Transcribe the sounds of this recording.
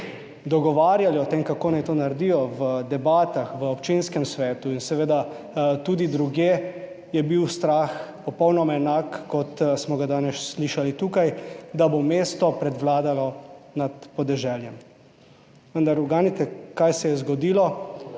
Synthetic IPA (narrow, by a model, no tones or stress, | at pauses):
d̪ɔɡɔʋaːɾjaliɔt̪emkakoːnajt̪onaɾd̪ijɔʋəd̪ɛbaːt̪axʋəɔpt͡ʃinskɛmsʋɛːt̪uinsɛʋeːd̪a | t̪uːd̪id̪ɾuɡje | jɛbiwst̪ɾaxpɔpɔwnɔmaɛnaːkːɔt̪smɔɡad̪aːnɛssliʃalit̪ukajd̪abomeːst̪ɔpɾɛd̪ʋlaːd̪alɔnat̪pɔd̪ɛʒɛljɛm | ʋənd̪aɾuɡaːnit̪ɛkajsɛjɛzɡɔd̪iːlɔ